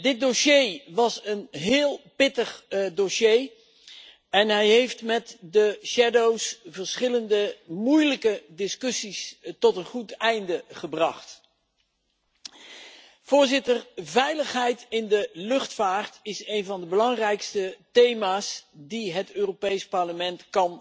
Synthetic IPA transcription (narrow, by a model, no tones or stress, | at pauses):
dɪt̚doʃejʋɑsənɦɪːlˠpɪtəχdoʃej | ɛnɦɛjɦejftmɛtdəʃɛdowsvəɹsχɪləndəmujləkədɪskɵsistɔtənχutɛjndəχəbrɑχt | v̥ʊːɹzɪtəɹvɛjləχɦɛjtɪndəlɵχtfaːrtɪsejnvɑndəbəlɑŋrɛjkstətejmaːsdiɦətøːropejspɑɹləmɛntkɑn